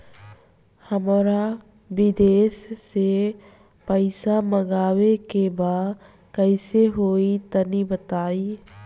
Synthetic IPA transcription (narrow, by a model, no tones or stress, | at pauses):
həmɾa | ʋɪd̪eːsːe | pəɪsaməɡaːʋekebaːd̪ | kəɪseɦoːit̪ənibət̪aːi